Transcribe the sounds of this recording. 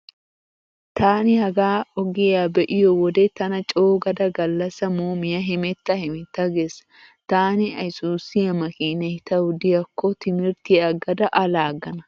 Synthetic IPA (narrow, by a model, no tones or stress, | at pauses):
t̪ʰaːnɪhɐɡaːɔɡejaːbɛʔɪjɔwɔd̪et̪ɐnɐt͡ʃʼoːɡɐd̪ɐɡɐlːɐsɐmuːmɪjɐɦɪmɛt̪ːɐhɪmɪt̪ːɐɡeːsɐ̥ | t̪aːnɪɐjsuːsɪjɐmɐkiːnɐhɪt̪ɐwʊd̪ɪjɐkːɔt̪ɪmɪɾt̪ɪɐɡɐd̪ɐʔɐlaːɡɐnɐ